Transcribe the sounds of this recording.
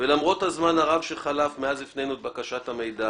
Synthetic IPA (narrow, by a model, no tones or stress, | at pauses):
velamʁo̞t̪hazmanaʁavʃeχalafmeazlifnejnuet̪̚bakaʃathame̞jd̪a